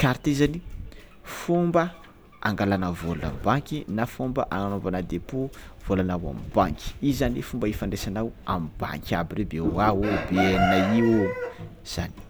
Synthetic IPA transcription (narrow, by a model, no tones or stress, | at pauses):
kaɾt̪izani | fumbə | a̰ŋɡalanəvolna̰mibaŋkʲinafombəʔaŋanombanad̪epuv̥olanawa̰mibaŋkʲi̥izanifumbəefaɳɖ͡ʐesanawa̰mba̰ŋkʲabirebeuawobeeninaiwu | z̥a̰ni̥